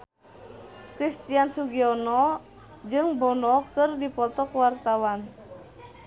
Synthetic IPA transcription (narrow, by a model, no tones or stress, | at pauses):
kɾist̪iansuɡiɔnɔ | d͡ʒɨŋbɔnɔkɨrdipɔt̪ɔkwart̪awan